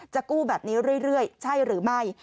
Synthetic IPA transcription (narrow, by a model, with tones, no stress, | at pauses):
t͡ɕa˨˩kuː˥˩bɛː˨˩p̚niː˦˥ɾɯ˥˩əjɾɯ˥˩əjt͡ɕʰa˥˩jɾɯː˩˦ma˥˩j